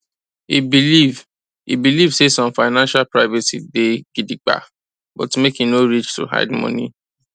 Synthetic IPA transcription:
ibiliv | ḭbilivsesɔ̃mfaɪnãnʃalpɹaɪvɛsideɡ̥idik͡pa̰ | bɔtmekĩnoɹit͡ʃtṵɦa̰ɪdmɔ̰̃nḭ

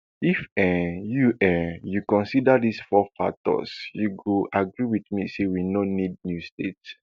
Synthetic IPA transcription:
ifɛ̃juʔɛjukɔ̃nsidadisfɔfa̰tɔ̰sjuɡuʔaɡɹiwidmisewinɔnid̚njustets

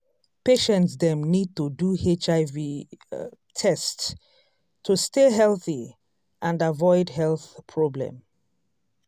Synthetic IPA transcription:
peʃɛ̃ntsðɛ̃mnid̚tuduhet͡ʃaɪvi | tʰɛst | tʰːusteɦɛlˠθi | ʔãndavɔɪdɦɛlθpʰɹɔblɛ̰̃m

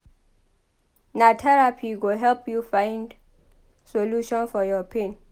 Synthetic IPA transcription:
natʰɛɹapʰiɡoɦɛlpjufãɪ̃nd | soluʃɔ̃nfɔjɔpʰẽn

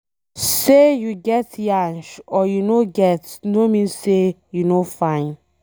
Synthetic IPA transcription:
sejuɡɛtjãnʃɔjunoɡɛtnomĩnsejunofãɪ̃n

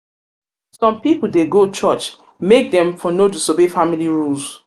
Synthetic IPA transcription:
sɔ̃mpipul̩deɡot͡ʃɔt͡ʃ | mek̚dɛ̃mfɔnodisobefamiliɹuls

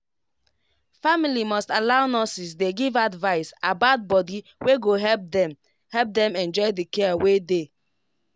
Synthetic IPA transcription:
familimɔstalaʊnɔsis̬deɡivadvaɪsabat̚bɔdiweɡoɦɛ | hɛp̚dɛ̃mɛ̃nd͡ʒɔɪdikɛawede

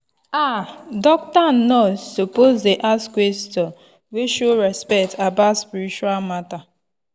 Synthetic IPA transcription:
adɔk̚tan̩nɔsopozdeʔaskwestɔ | weʃoɾɛspɛktabaspiɾit͡ʃualmata

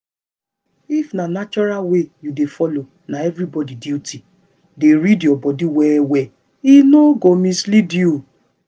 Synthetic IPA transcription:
ifnanat͡ʃɔɾalwejudefɔlo | naɛvɾibɔdiditʰi | deɾidjɔbɔdiwɛwɛ | inoɡomislidju

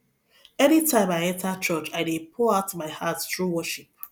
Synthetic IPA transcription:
ɛnitʰãɪ̃maɪɛ̃ntʰat͡ʃɔt͡ʃaɪdepʰɔaʊtmaɪhatθɹuwɔʃip̚

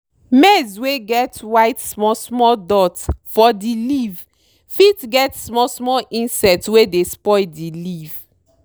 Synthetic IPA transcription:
mɛzweɡɛtwaɪtsmɔsmɔdɔtfɔdiliv | fitɡɛtsmɔsmɔʔĩnsɛtwedespɔɪdiliv̥

